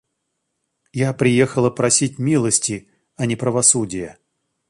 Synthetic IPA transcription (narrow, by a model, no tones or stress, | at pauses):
japɾʲɪjexəlˠəpɾɐsʲitʲmʲilˠəsʲtʲɪ | ɐnʲɪpɾəvɐsudʲɪjə